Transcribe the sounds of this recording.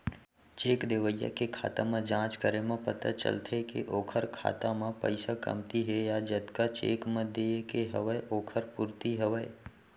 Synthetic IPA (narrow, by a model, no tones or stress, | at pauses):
t͡ʃeːkd̪eːʋəjə̰kekʰa̰ːt̪amẽd͡ʒãːt͡ʃkəɾemẽpət̪a̰t͡ʃə̰lt̪ʰekḛʔoːkʰəɾkʰa̰ːt̪amãpə̰ɪsakə̰mt̪iɦɛjad͡ʒət̪kat͡ʃḛːkmə̃d̪ekeɦəʋəeʔoːkʰəɾpʊɾt̪iɦəʋəe